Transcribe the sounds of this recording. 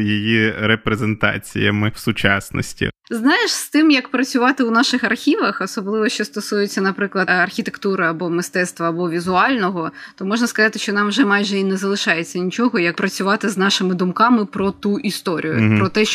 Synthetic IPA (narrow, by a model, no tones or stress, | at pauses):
jijiɾepɾezent̪ɑ̰t͡sʲḭjɐ̰mɪwsʊt͡ʃɑ̰snɔ̰sʲtʲḭznɑjɪʃst̪ɪmjɐkpɾɐt͡sʲʊʋɑt̪ɪwnɑʃɪxɐrxʲiʋɐxɔsɔblˠɪʋɔʃt͡ʃɔst̪ɔsujet͡sʲːɐnɐpɾɪklˠɐɐrxʲit̪ekt̪uɾɪɐbɔmɪst̪ɛt̪st̪ʋɐːbɔʋʲizʊɑlʲnɔɦɔt̪ɔmɔʒnɐskɐzɑt̪ɪʃt͡ʃɔnɑmʒɛmɑjʒɛinɛzɐlˠɪʃɑjet͡sʲːɐnʲit͡ʃɔɦɔjɐk̚pɾɐt͡sʲʊʋɑt̪ɪznɑʃɪmɪd̪ʊmkɑmɪpɾɔt̪uʔist̪ɔɾʲḭjʊ̰pɾɔt̪ɛ